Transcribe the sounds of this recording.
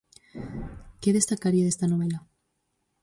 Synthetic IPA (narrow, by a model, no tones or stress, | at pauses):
keðest̪akaɾiaðest̪anoβ̞ela